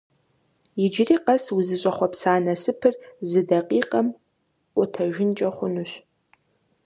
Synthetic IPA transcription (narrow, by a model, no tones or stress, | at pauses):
jɪd͡ʒriːqɐswuzɨɕʼɐχʷɔpsaːnɐsɨpʰɨrzɨdɐqʼiːqʼɐm | ʔʷʊtʰɐʒɪnt͡ʃʼɐχʷʊnuɕ